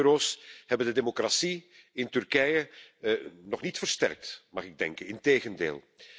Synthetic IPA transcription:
øɾoːshɛbəndədemokrasiɪntʏrkɛjə | nɔχnitfərstɛ̰rk̚tmɑχɪɡ̚dɛŋkənɪnteːɣəndḛːlˠ

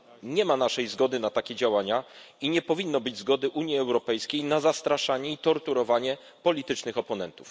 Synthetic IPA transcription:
ɲɛmanaʂɛjzɡɔd̪ɘnat̪akʲed͡ʑawaɲa | iɲɛpɔvʲinːɔbɘd͡ʑzɡɔd̪ɘʔuɲjiɛwɾɔpɛjskʲejnazast̪ɾaʂaɲɛit̪ɔɾt̪uɾɔvaɲɛ | pɔlʲit̪ɘt͡ʂnɘxɔpɔnɛnt̪uf

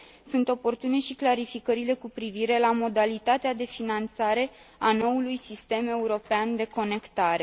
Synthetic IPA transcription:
sunt̪o̞po̞rt̪une̞ʃiklaɾifikəɾile̞kupɾiviɾe̞lamo̞d̪alit̪at̪ead̪e̞finant̪saɾe̞ | ano̞ulujsist̪e̞me̞uɾo̞peand̪e̞ko̞ne̞kt̪aɾe̞

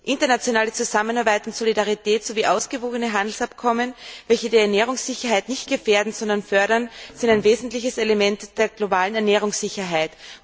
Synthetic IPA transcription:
ʔɪntɐnat͡sjonaːlət͡suzamənaɐbaɪtʊntsolidaʁitʰɛːtsoviːʔaʊsɡ̥əvoːɡənəɦandl̩sapkʰɔmənvɛlçədiːɐɛɐnɛːʁ̞ʊŋsz̥ɪçɐɦaɪtnɪçtɡ̥əfeːɐdn̩z̥ɔndɐnfœɐɾɐnz̥ɪntaɪnveːzn̩tlɪçəselemɛntd̥eːɐɡlobaːlənɛɐnɛːʁ̞ʊŋssɪçɐɦaɪt

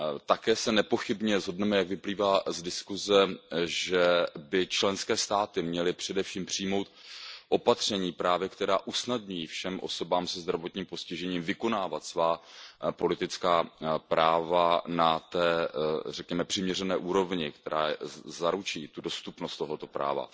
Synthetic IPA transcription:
t̪akɛːsɛnɛpo̞xɪbɲɛzɦo̞dnɛmɛjaɡvɪpliːvaːzdɪskuzɛʒɛbɪt͡ʃlɛnskɛːst̪aːt̪ɪmɲɛlɪpr̝̥ɛdɛfʃiːmpr̝̥ɪjmo̞wt̪̚ʔo̞pat̪r̝̥ɛɲiːpɾaːvjɛkt̪ɛɾaːʔusnadɲujifʃɛmʔo̞̰so̞baːmsɛzd̪ɾavo̞t̪ɲiːmpo̞scɪʒɛɲiːmvɪko̞naːvat̪svaːpo̞lɪt̪ɪt͡skaːpɾaːvanat̪ɛːrɛkɲɛmɛpr̥ɪmɲɛrɛnɛːʔuːɾo̞vɲɪkt̪ɛɾa̰ːzaɾut͡ʃiːt̪udo̞st̪upnost̪ːoɦo̞t̪o̞pɾa̰ːva̰

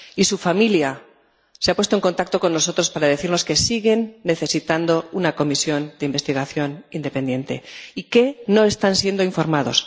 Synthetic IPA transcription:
isufamilja | seapwest̪oe̞ŋko̞nt̪akt̪o̞ko̞nːo̞so̞t̪ɾo̞spaɾaðe̞θiɾno̞ske̞siɣe̞nːe̞θe̞sit̪and̪o̞unako̞misjo̞nd̪eimbe̞st̪iɣ̞aθjo̞nind̪epe̞nd̪je̞nt̪e̞̰ike̞no̞e̞st̪ansje̞nd̪o̞iɱfo̞ɾmað̞o̞̰s

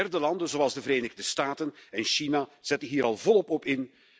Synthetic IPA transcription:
ɛrdəlɑndənzoɑlˠzdəvəɾeːnɪɣdəstaːtənɛnʃinaz̥ɛtənɦiːɾɑlˠvɔlˠɔpɔpɪn

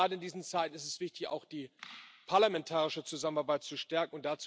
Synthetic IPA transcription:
aːdəɪndiːzn̩t͡saɪtn̩ɪstɛsv̥ɪçtɪça̰ʊxd̥iːpʰaɐlamɛntʰaːʁɪʃət͡suzamənaɐbaɪt̚t͡suʃtɛɐkŋ̩ʊntd̥at͡s

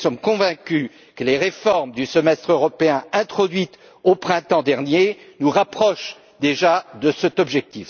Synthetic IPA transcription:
sɔmkɔ̃vɛ̃kʲy | kəleʁefɔʁmd̪ysəmɛst̪χøʁɔpeɛ̃ɛ̃t̪χɔd̪ɥit̪ | opχɛ̃t̪ɑ̃d̪ɛʁnjenuʁapχɔʃ | d̪eʒad̪əsɛt̪ɔbʒɛk̚t̪if

